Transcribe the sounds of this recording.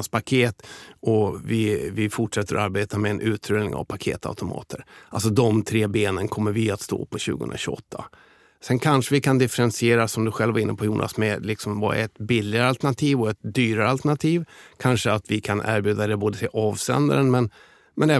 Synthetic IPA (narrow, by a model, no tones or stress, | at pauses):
spakʰeːt̪ɔvɪvɪfʊʈʂɛt̪ːəɾɔ̰aɾbeːt̪amɛːnʔʉ̟ːt̪ʰɾød̪nɪ̰ŋa̰vpʰakʰḛːt̪ʰa̰ʉt̪ʊmɑ̰ːt̪ʰəɾʔals̬ɔd̪ɔmt̪ʰɾeːbeːnənkʰɔmːəɾvɪat̪st̪o̰ːpʰɔɕʉ̟ːɡə̰ɵ̰nɾaɕʉɔ̰t̪ʰːa̰ | sɛnkʰanʂəvɪkʰand̪ɪfɛɾɛnsɪeːɾasɔmd̪ɵɧɛlvaɾɪnːəpʰɔjuːnʔa̰smɛlɪksɔmbɑ̰ːɾa̰ɛt̪bɪlːɪɡaɾəalt̪əɳat̪ʰiːvɔɛt̪̚d̪yːɾaɾəalt̪əɳat̪ʰiːvkʰanʂəat̪vɪkʰanʔæ̰ːɾbjʉːd̪ad̪ɛboːd̪ət̪ʰɪlʔɑːvsɛ̰nd̪a̰ɾənmɛn | mɛnɛː